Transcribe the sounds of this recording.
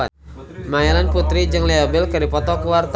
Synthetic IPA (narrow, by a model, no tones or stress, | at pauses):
a | maɛɾanput̪ɾid͡ʒɨŋliabəlkɨɾdipɔt̪ɔkuwart̪